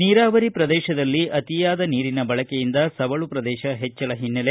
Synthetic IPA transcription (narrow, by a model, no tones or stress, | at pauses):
niːɾaːʋɐɾipɾɐd̪ɛːʃɐd̪ɐlːiʔɐt̪ijaːd̪ɐniːɾinɐbɐɭɐkejind̪ɐsɐʋɐɭupɾɐd̪ɛːʃɐɦet͡ʃːɐɭɐɦinːɐle